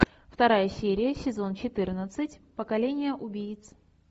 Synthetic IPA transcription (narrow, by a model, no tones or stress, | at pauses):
ft̪ɐɾajəsʲeɾʲɪjəsʲɪzo̞nt͡ɕɪt̪ɨrnət̪sɨtʲpəkɐlʲenʲɪjəʔʊbʲijɪt̪s